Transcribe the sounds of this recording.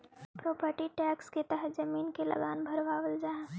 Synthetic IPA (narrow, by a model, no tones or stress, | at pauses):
pɾoːpəɾʈiʈɛːksket̪əɦət̪d͡ʒɐmiːnkelɐ̰ɡaːnbʱɐɾʋaːʋəld͡ʒaːẽ